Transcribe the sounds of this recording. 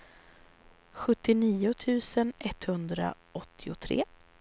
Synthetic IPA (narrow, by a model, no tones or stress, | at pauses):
ɧɵt̪ːɪniːʊt̪ʰʉ̟ːsənɛt̪hɵnd̪ɾa̰ʔɔt̪ʰːɪʊt̪ʰɾḛː